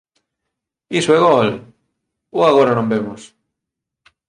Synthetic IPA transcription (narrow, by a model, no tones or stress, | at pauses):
isoeɣɔl | oaɣoɾanõmbemʊs